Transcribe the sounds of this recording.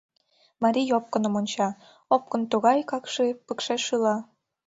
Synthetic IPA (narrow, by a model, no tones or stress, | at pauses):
mɑɾʲijop̚kə̆nə̆monʲt͡ɕɑ | op̚kɤ̆nt̪uɣɑjkɑkʃepəkʃeʃɯlɑ